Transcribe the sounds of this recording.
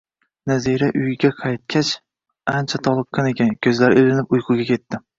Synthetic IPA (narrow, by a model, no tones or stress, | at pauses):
naziɾaʔʊjɪɡʲaqʰɑjt̪̚kʲʰat͡ʃ | ant͡ʃʰat̪ʰɒlˠɨqːɑne̞kʲʰankʲʰɵzlaɾɵlɪnɪpʊjqʰʊɡʲakʲʰe̞t̪ːɪ